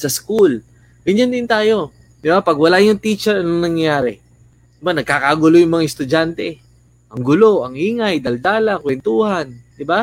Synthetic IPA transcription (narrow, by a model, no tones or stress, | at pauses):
sɐskul | ɡɐɲjand̪ɪnt̪aːjo̞ | d̪ɪbapɐɡwɐlajʊŋt̪it͡ʃɛɾnɐŋnɐŋjaːɾɛ̰ | d̪ɪbanɐɡ̚kaːkaɡʊlojʊŋmɐŋaɪst̪ʊd͡ʒant̪ɛ | ʔɐŋɡʊloʔɐŋʔiːŋɐjd̪ɐld̪aːlɐkwɛnt̪uːhɐnd̪ɪba